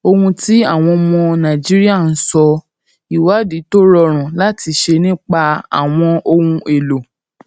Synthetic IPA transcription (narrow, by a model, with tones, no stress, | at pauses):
o˧hũ˧ti˦a˦˨w̃ɔ̃˧mɔ̃˧nã˨d͡ʒi˦ɾi˦a˦˨n̩˦sɔ˧ | i˨wa˨˦di˨˦to˦ɾɔ˧ɾ̃ã˨la˦ti˧ʃe˧nĩ˦k͡pa˧a̰˨w̃ɔ̃˧o˧hũ˧ʔe˨lo˨